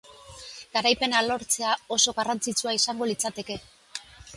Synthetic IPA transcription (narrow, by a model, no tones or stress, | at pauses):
ɡ̥aɾajpe̞nalo̞ɾt͡se̞ao̞so̞ɣarant͡sit͡suaisaŋɡo̞lit͡sat̪e̞ke̞